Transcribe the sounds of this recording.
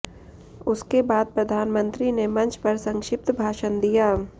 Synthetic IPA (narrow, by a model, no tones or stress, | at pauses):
ʊskebaːd̪̚pɾɐd̪ʱaːnmə̃nt̪ɾinemɐ̃nt͡ʃʰpɐɾsɐ̃ŋkʃɪp̚t̪bʱaːʃənd̪ijaː